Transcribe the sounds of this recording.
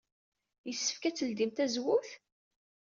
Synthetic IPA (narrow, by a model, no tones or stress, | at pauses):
jəsːə̥fkæt͡sːəld̪imt̪æzwʊθ